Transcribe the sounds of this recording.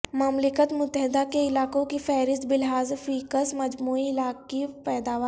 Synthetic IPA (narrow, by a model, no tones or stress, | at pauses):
mɐmlɪkət̪mʊt̪ːəɦɪd̪akeɪlaːkõkifɛːɾɪst̪bɪlɦaːzfiːkəsmɐd͡ʒmuːiɪlaːkːipɛːd̪aːʋə